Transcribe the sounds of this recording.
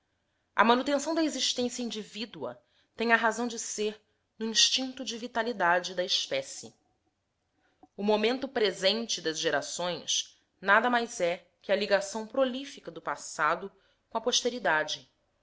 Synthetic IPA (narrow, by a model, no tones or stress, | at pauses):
ɐ̰mɐ̃nut̪ẽsɐ̃w̃d̪ɐeziʃt̪ẽsjɐĩnd͡ʒivid̪uɐ̰ | t̪ẽj̃ɐɦazɐ̃w̃d͡ʒɪseɾ | nʊĩʃt͡ʃĩnt̪ʊd͡ʒɪvit̪alid̪ad͡ʒɪd̪ɐeʃpɛsɪ̰ | ʊmomẽnt̪ʊpɾezẽnt͡ʃɪd̪ɐzʒeɾasõj̃s | nad̪ɐmajzɛ | kʲɪɐliɡasɐ̃w̃pɾolifikɐd̪ʊpasad̪ʊ | kõɐpoʃt̪eɾid̪ad͡ʒɪ